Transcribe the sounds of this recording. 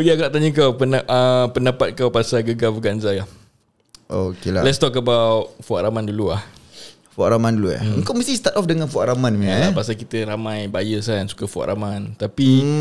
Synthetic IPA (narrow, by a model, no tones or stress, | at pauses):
pəɡiakataʔt̪aɲək̬awpənʔəpəndapat̪̚kawpasaɡəɡafəɡanzalah | ʔokela̰lɛt̪st̪ɔkːabawfuaʔɾamanduluah | fua̰ʔɾamãndulua̰uŋkawməst̪ihst̪at̪ɔfdəŋanfuaʔɾamãnmiapaʔsakit̪əɾamãjbajəsaansu̥kafua̰ʔɾʔamant̪api